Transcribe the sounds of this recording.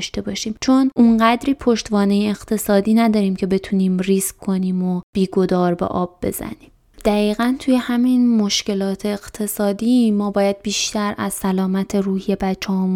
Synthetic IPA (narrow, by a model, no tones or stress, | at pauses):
ʃt̪e̞bɒːʃiːmt͡ʃʰo̞nʔuŋɢæd̪ɾiːpʰoʃt̪vɒːnejeːɣ̥t̪ʰe̞sɒːd̪iːnæd̪ɒːɾiːmcʰe̞be̞t̪ʰuniːmriskkʰːo̞niːmob̥iːɡo̞d̪ɒːɾbḛʔɒːb̚ːe̞̰z̥æ̰niːm | d̪̥æɣiːɣænt̪ʰuje̞hæminmo̞ʃce̞lɒːt̪ʰe̞ːɢt̪ʰe̞sɒːd̪iːmɒːbɒːjæd̪̥̚biːʃt̪æɾæz̥sælɒːmæt̪ʰe̞ruːhije̞bæt͡ʃʰːɒhɒm